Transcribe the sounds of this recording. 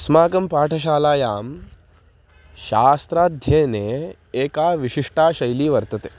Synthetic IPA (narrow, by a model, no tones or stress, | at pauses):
smaːkɐmpaːʈʰɐʃ̬aːlaːjaːm | ʃaːst̪ɾaːd̪ʱjeːne | eːkaːʋiɕiʂʈʰaːʃɐjliːʋɐɾt̪ɐt̪eː